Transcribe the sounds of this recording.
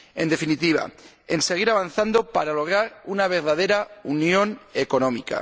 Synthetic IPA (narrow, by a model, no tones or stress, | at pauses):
e̞nd̪e̞finit̪iβa̰ | e̞nse̞ɣ̞iɾaβ̞anθand̪o̞paɾalo̞ɣ̞ɾaɾunaβ̞e̞ɾðaðe̞ɾaunjõ̞ne̞ko̞nõ̞mika̰